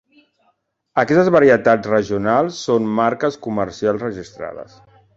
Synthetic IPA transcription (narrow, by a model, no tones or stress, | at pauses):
əkɛst̪əzβəɾiət̪ad͡zrəʒiunalˠsːonmaɾkəskuməɾsialˠzrəʒist̪ɾa̰ðə̰s